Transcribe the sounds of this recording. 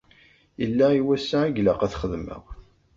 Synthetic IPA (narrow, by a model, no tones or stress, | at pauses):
jəlːæiwæsːæːɡlæqæθχəðmə̰ʁ